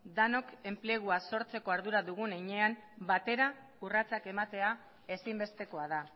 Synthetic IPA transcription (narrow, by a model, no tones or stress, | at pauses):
d̪ano̞ke̞mple̞ɣ̞uaso̞ɾt͡se̞ko̞aɾðuɾaðuɣ̞uneɲe̞ambat̪e̞ɾa | urat͡sake̞mat̪e̞a | e̞simbe̞st̪e̞ko̞aða